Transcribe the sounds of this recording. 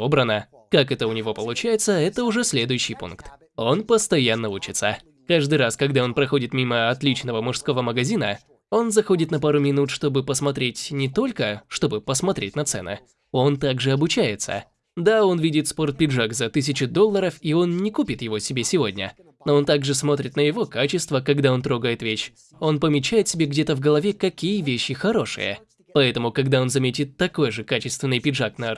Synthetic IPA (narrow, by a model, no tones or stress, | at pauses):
obɾənə | kakɛt̪əʊnʲɪvo̞pəlˠʊt͡ɕæjɪt̪səɛt̪əʊʐɛsʲlʲe̞d̪ʊjʉɕːɪjpṵnkt̪ | o̞npəst̪ɐjanːəut͡ɕɪt̪sə | kaʐd̪ɨɾaskɐɡd̪ao̞npɾɐxo̞dʲɪt̪mʲiməɐt̪lʲit͡ɕnəvəmʊʂsko̞vəməɡɐzʲinə | o̞nzɐxo̞dʲɪt̪nɐpaɾʊmʲɪnut̪ʂt̪o̞bɨpəsmɐt̪ɾʲetʲnʲɪt̪o̞lʲkəʂt̪o̞bɨpəsmɐt̪ɾʲetʲnɐt̪sɛ̰nɨ̰ | o̞nt̪aɡʐɨɐbʊt͡ɕæjɪt̪sə̰ | d̪ao̞nvʲidʲɪt̪spo̞rt̪̚pʲɪdʐakzɐt̪ɨs̬ʲɪt͡ɕʊd̪o̞lˠːəɾəfio̞nnʲɪkupʲɪt̪jɪvo̞sʲɪbʲesʲɪvo̞̰dʲnʲə̰ | noont̪aɡʐɨsmo̞t̪ɾʲɪt̪nəjɪvo̞kat͡ɕɪst̪vəkɐɡd̪ao̞nt̪ɾo̞ɡəjɪt̪vʲeɕ | o̞npəmʲɪt͡ɕːæjɪt̪sʲɪbʲeɡdʲet̪əvɡəlˠɐvʲekɐkʲijəvʲeɕːɪxɐɾo̞ʂɨ̰jə̰ | pɐɛt̪əmʊkɐɡd̪ao̞nzɐmʲetʲɪt̪ːɐko̞jʐɨkat͡ɕɪst̪vʲɪnːɨjpʲɪdʐaknɐ